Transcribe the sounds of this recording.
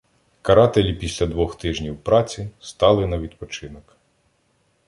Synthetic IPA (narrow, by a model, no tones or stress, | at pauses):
kɐɾɑt̪elʲipʲisʲlʲɐd̪ʋɔxt̪ɪʒnʲiwpɾɑt͡sʲist̪ɑlˠɪnɐʋʲid̪pɔt͡ʃɪnɔk